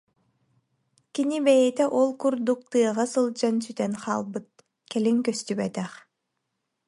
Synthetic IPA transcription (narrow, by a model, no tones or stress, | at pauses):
kinibɛjɛt̪ɛʔɔlˠkuɾd̪uk̚t̪ɯɐʁɑsɯlˠd͡ʑansyt̪ɛnχa̰ːlˠbɯt̪̚ | kɛliŋkœst̪ybɛt̪ɛχ